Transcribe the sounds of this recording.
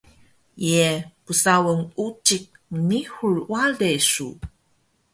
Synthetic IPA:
jepusawəŋut͡ʃik̚nihurwalesṵ

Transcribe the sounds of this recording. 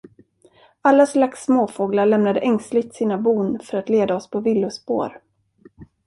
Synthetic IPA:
alːaslaksːmoːfoːɡlaɭɛmnad̪əʔɛŋslɪɡ̚t̪siːnabuːnfœɾat̪leːd̪aɔspʰɔvɪlːʊspo̰ːɾ

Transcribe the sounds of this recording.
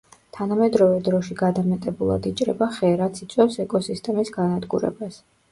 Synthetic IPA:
t̪ʰanamɛd̪ɾɔvɛd̪ɾɔʃiɡad̪amɛt̪ʼɛbulˠa̰d̪it͡ʃʼɾɛbaχɛɾat̪sʰit̪sʼwɛfsɛkʼɔsist̪ʼɛmisɡanad̪ɡṵɾɛ̰bas

